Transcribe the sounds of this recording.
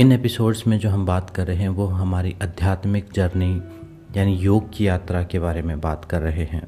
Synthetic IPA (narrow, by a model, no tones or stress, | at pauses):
ɪneːpɪsoːɖsmẽd͡ʒoːɦɐmbaːt̪kɐɾːɐɦeɦɛ̃ʋoɦɐmaːɾiʔɐd̪ʱjaːt̪mɪkd͡ʒɐɾni | jaːnijoːɡkijaːt̪ɾakebaːɾemẽbaːt̪kɐɾːɐɦeɦɛ̰̃ː